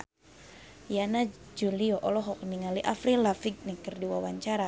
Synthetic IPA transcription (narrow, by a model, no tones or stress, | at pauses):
janad͡ʒuliɔʔɔlɔɦɔk̚niŋaliʔafɾilafiɡ̚nɛkərdiwawaɲt͡ʃaɾa